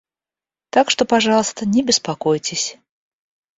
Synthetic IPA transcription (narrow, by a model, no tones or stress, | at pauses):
t̪akʂt̪opaʐɑlˠəst̪ənʲɛbʲɪspakojtʲɪsʲ